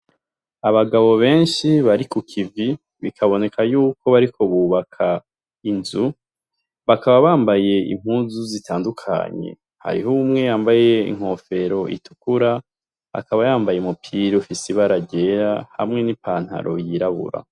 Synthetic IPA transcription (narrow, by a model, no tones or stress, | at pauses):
aβaɡaβo̞βe̞ːnʃiβaɾikukʰivi | βikʰaβo̞ne̞kʰajuːkʰo̞βaɾikʰo̞βuːβakʰa | inzu | βakaβaβaːmbaje̞ḭm̥huːnzuzitʰaːndukʰa̰ɲe̞̰ | ha̰ɾḭɦumŋe̞jaːmbaje̞ḭŋ̥ho̞fe̞ɾo̞ʔḭtu̥kuɾa | a̰kaβajaːmbajemupʰiɾufisiβaɾaɟe̞ɾaha̰mŋe̞nipʰaːn̥ha̰ɾʔo̞̰jiɾaβṵɾa̰